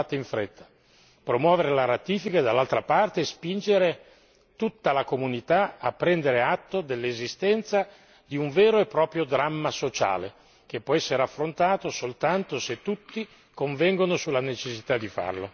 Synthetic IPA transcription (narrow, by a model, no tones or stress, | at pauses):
at̪eiɱfɾet̪ʰːḁ | pɾomwɔːveɾelaɾat̪iːfikad̪alːalt̪ɾapart̪eːspind͡ʒeɾe | t̪ut̪ːalakomunit̪aapːɾɛnd̪eɾeat̪ːod̪elːezist̪ɛnt̪sa | d̪iuɱvɛːɾoepːɾɔːpɾjod̪ɾamːasot͡ʃa̰ːlḛ | k̟epːwɔɛsːeɾeafːɾont̪aːt̪osolt̪ant̪oset̪ːut̪ːi | koɱvɛŋɡonosulːanet͡ʃesːit̪ad̪ːifa̰rlo